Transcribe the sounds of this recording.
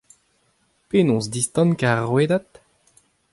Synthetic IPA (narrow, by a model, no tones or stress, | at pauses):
penɔ̃sd̪ist̪ɑ̃nkaʁweːd̪at̪